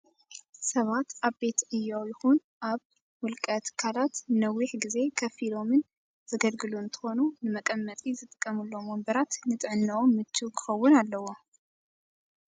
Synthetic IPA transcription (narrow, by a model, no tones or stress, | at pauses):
sɐβat̪aβbe̞t̪ʔɨjːowjɪxun | ʔaβ | wʊlkʼɐt̪kʰalat̪nɐwiħɡize̞kʰɐfilo̞mɨn | zɐɡɐlɡɨluɨnt̪ʰɨ̥xo̞nunɨmɐkʼɐmːɐt̪ʼizɨt̪ʼɨ̥kʼːɐmɨlːo̞mombɐɾat̪nɨt̪ʼɨʕɨnːɐʔomːɨt͡ʃːukʰɨxɐwːʊnalːɐwo̞